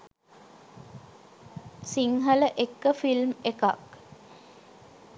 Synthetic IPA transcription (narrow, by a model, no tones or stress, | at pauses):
siŋɦələʔekːəfilmeka̰k